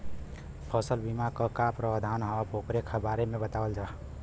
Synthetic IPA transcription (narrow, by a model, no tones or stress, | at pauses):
pʰəsəlbimakəkapɾəwd̪ʱanɦɔapokɾekʰabaɾemebət̪awəld͡ʒaː